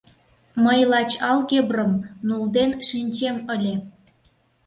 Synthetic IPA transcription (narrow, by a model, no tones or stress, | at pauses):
məjlɑt͡ɕɑlɣebrəmnuld̪enʃinʲt͡ɕeməlʲe